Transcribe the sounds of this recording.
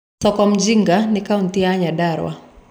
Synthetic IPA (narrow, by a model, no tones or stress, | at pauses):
sɔkɔm̩d͡ʒiŋɡanikauntiaɲaɗaɾwa̰